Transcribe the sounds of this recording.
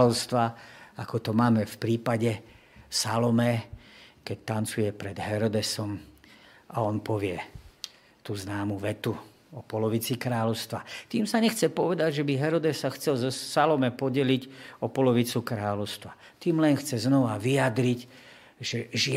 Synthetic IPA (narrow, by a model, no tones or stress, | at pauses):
lɔʊst̪ʋaakɔt̪ɔmaːmɛfpɾiːpaɟɛ | salɔmɛ | kɛc̚t̪ant͡sujɛpɾɛd̪ɦɛɾɔd̪ɛsɔm | ʔaɔnpɔʋɪɛ | t̪uznaːmuʋɛt̪u | ɔpɔlɔʋit͡sikɾaːlɔʊst̪ʋat̪iːmsaɲɛxt͡sɛpɔʋɛd̪aɟʒɛbiɦɛɾɔd̪ɛsːaxt͡sɛlzɔsalɔmɛpɔɟɛliɟɔpɔlɔʋit͡sukɾaːlɔʊst̪ʋa | t̪iːmlɛnxt͡sɛznɔʋaʋijad̪ɾic | ʒɛʒɪ